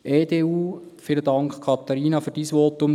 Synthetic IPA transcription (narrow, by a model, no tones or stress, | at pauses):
ʔeːdeːuː | fɪlədɑŋkχkʰɑt̪ɑɾiːnɑfyːɾd̥iːsʋɔtːʊm